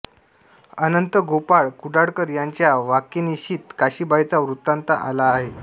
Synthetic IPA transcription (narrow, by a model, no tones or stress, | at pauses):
ənənt̪əɡopaɭkuɖaɽkəɾjaɲt͡ɕjaʋakeniɕiːt̪kaɕiːbʱajt͡saʋɾut̪ːant̪aʔa̰laːɦe